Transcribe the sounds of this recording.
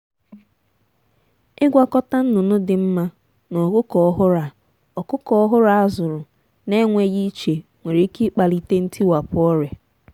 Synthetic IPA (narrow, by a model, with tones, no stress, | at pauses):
ɪ˦ɡʷa˦kɔ˦ta˦n̩˦nʊ˨nʊ˦dɪ˨m̩˦ma˦ | nɔ˨kʊ˦kɔ˨ɔ˦ɦʊ˦ɾa˨ | ɔ˨kʊ˦kɔ˦ɔ˦ɦʊ˦ɾa˨a˦zʊ˨ɾʊ˨ | ne˦ŋʷe˦ɣi˦t͡ʃe˨ | ŋʷe˨ɾe˨˦ki˦k͡pa˨li˨te˦n̩˦tʰi˦wa˨pʊ˦ɔ˦ɾe˨